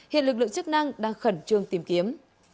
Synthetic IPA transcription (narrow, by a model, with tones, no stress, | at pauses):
hḭ˧˨nlɨ˨˩k̚lɨ̰̃˧˨˧t͡ɕɨ˦˥k̚na˧ŋɗaː˧ŋxə˧˩nt͡ɕɨ˧əŋt̪i˨˩mki˨˦əm